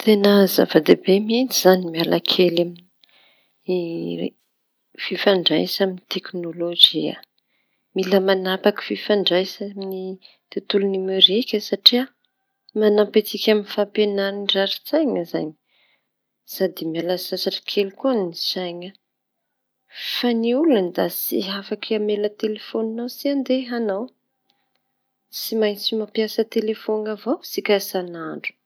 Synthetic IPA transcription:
t̪ʰenəza̰vad̪ebemint͡siz̥animialakʰelamini | fifaɳɖ͡ʐajsaminit̪eknolod͡ʒia̰ | miləmanapaki̥fifaɳɖ͡ʐajsamini | t̪it̪ulunimeɾikʲəsaʈ͡ʂia | manapet͡sikʲaminfapenaɾinɖ͡ʐaɾit͡sajɲəza̰ɲi | sad̪imialasasaʈ͡ʂḁkʰelikuanisajɲə | faniuland̪asiɦafakʰiamelət̪elefoninawsiand̪eɦanaw | simajt͡simapiasət̪elefonavosikʲasanaɳɖ͡ʐu̥

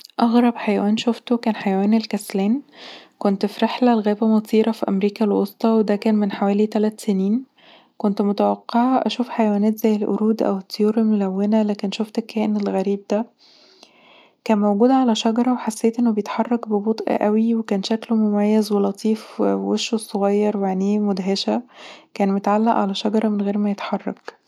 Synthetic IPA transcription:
ʔɑɣɾˤɑbħajæwæːnʃoft̪okæːnħajæwæːnelkæslæːnkont̪fiɾeħlælɣæːbæmɑsˤiːɾɑfiʔæ̰mɾiːkælwo̰st̪ˤɑwed̪ækæːnmenħawæːlit̪ælæt̪seniːn | kont̪mot̪æwɑqːeʕɑʔæʃuːfħajæwæːnæːt̪z̥æjːelʔo̰ɾuːd̪ʔæ̰wet̪ːejoːɾemolæwːenælæːkenʃoft̪ekʰːæːʔenelɣæɾiːb̚d̪æ | kæːnmæwɡuːd̪ʕalæʃɑɡɑɾˤɑweħasːeːt̪ʔenːobejet̪ħɑrˤːɑkbebot̪ˤʔʔæwiwekæːnʃæklmomæjːæzwelɑt̪ˤʰiːfweʃːosˤoɣɑjːɑɾˤwjaʕniːmod̪ɦeʃækæːnmot̪ʕalːæʔʕa̰læʃɑɡɑɾˤɑmenɣeːɾmæjet̪ħɑrˤːɑ̰k

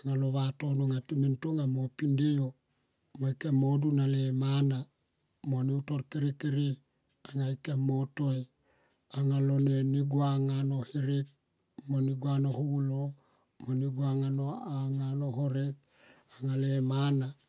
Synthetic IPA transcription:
aŋaloβatonoŋatimintuŋamopindio | moikemodunalemana | moniutoɾkiɾikiɾi | aŋaikemotoj | aŋaloneniɡuaŋanohiɾik̚ | moniɡuanohulo | moniɡuaŋanoaŋanoɦoɾek̚ | aŋalemana

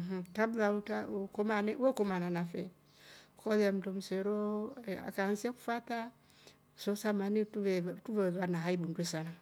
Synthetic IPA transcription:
ɦ̩tabulautakomanɛekomananafɛ | kɔðam̩dom̩seɾoa̰kansiɛku̥fata | sosamanetɛtuvɛβanaɦaibundesana

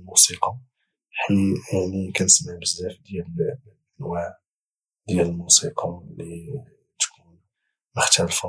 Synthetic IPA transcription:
musiqɑ | ħəmaʕnikænəsmaʕbəzːæfd̪jælʔənwaʕ | d̪jæləlmusiqɑli | t̪kun | mʊxt̪ælfa

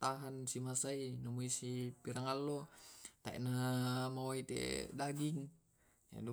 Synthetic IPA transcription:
t̪aɦansimasainamuisipiɾaŋalːot̪aḭʔnamawait̪ḛdaɡiŋ | ja̰du

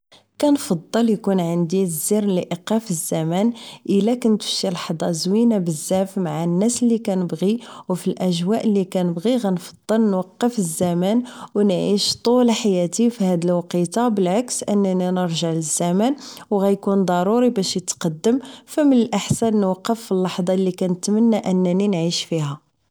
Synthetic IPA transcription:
kænfɑd̪ˤːəljkunʕənd̪iziɾliʔiqɑfəzːæmænʔəlːækənt̪fʃilħd̪ˤɑzwinabəzːæfmaʕanːæsəlːikænəbɣiwfilʔæʒwæʔəlːikænəbɣiɣænfɑ̥d̪ˤːəlnwɑqːəfəzːæmænwnʕiʃt̪ˤulħajæt̪ifihæd̪əlwɑqit̪ɑbəlʕaksʔənːæninəɾʒəʕləzːæmænwɣæjkund̪ˤɑɾˤuɾibæʃjət̪qɑd̪ːəmfæmːənəlʔəħsænːwɑqːəfːilːɑħd̪ˤɑlːikænət̪mənːaʔənːæninʕiʃfiɦæ

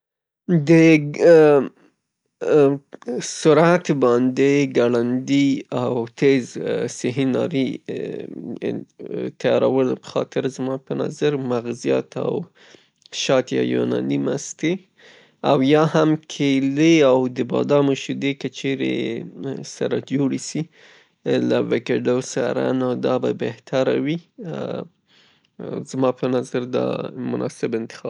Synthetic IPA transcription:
d̪ə | sʊɾat̪bɑnd̪eɡaɽand̪iawt̪ʰezsɪɦinɑ̰ɾi | t̪ajɑɾawəlpə̥xɑ̰t̪ɪɾzmɑpəna̰zaɾmaɣzija̰t̪a̰w | ʃɑt̪jɑ̰jo̰nɑ̰nimast̪e | awjɑhamkʰeleawd̪əbɑ̰d̪ɑmaʃud̪ekət͡ʃeɾḛ | saɾad͡ʒoɽisi | lawɪkeɖosaɾa̰nawd̪ɑbabeht̪ʰaɾawi | zmɑpənazaɾd̪ɑ̰mʊnʔɑ̰sɪbɪnt̪ɪ̥xɑ

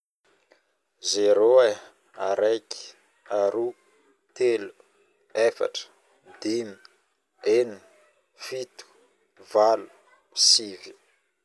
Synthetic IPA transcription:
zeɾoe | aɾʔejki̥ | aɾu | t̪elu | efa̰ʈ͡ʂə̥ | d̪ini̥ | eni | fit̪u̥ | valu̥ | sivi̥

